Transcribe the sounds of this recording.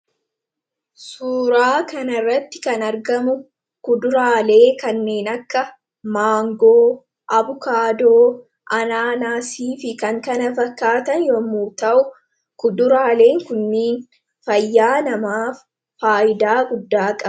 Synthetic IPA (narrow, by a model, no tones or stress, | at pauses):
suːɾaːkɐnɐrːɐt̪ːɪ̥kɐnɐɾɡɐmʊ | kʊd̪ʊɾaːle̞ːkɐnːe̞ːnɐkːɐ | maːŋɡoː | ʔɐbʊkaːd̪oː | ʔɐnaːnaːsiːfɪkɐŋkɐnɐfɐkːaːt̪ɐnjɔmuːt̪ɐʔʊ | kʊd̪ʊɾaːle̞ːŋkʊnːeːn | fɐjːaːnɐmaːfː | aːʔɪd̪aːɡʊd̪ːaːkʼɐ